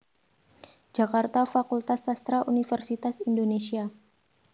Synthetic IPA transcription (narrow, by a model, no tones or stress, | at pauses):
d͡ʒakart̪afakult̪asːast̪ɾaʔunifɛrsit̪asindonesia